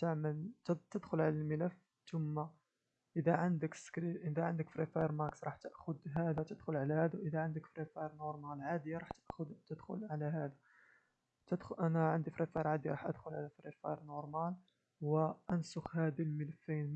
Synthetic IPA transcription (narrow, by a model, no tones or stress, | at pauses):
t̪aʕməlt̪t̪əd̪xʊlʕalælmələf | t̪ʊmːa | ʔəd̪æʕənd̪əkskɾiʔəd̪æʕənd̪əkfɾifɑɾˤmæksɾˤɑħt̪əʔxʊd̪ɦæd̪æt̪əd̪xʊlʕalæhæd̪aʔəd̪æʕənd̪əkfɾifɑjɾˤnoɾˤmælʕad̪əjːaɾˤɑħt̪əʔxʊd̪t̪əd̪xʊ̰lʕalæɦæd̪a | t̪əd̪xʔænæʕənd̪ifɾifɑjɾˤʕad̪ijɾˤɑħʔə̰d̪xʊlʕalæfɾifɑɾˤnoɾˤmæl | wəʔænsʊxhæd̪ilmələfːin